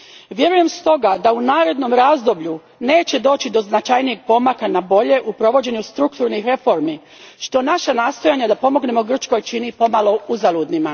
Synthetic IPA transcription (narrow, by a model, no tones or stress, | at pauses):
ʋje̞ɾuje̞mst̪o̞ɡad̪aunaːɾe̞d̪no̞mɾazd̪o̞bʎu | ne̞ːt͡ɕe̞d̪o̞ːt͡ɕid̪o̞znat͡ʃajnije̞ɡ̚po̞makanabo̞ʎe̞ʔupɾo̞ʋo̞d͡ʑe̞ɲust̪ɾukt̪uɾnixɾe̞fo̞ɾmi | ʃt̪o̞naʃanaːst̪o̞jaɲad̪apo̞mo̞ɡne̞mo̞ɡr̩t͡ʃko̞jt͡ʃinipo̞malˠo̞uzalud̪nima